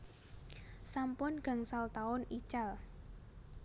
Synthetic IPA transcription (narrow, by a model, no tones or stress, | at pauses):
sampʊnɡ̥a̤ŋsalt̪aʊnit͡ʃal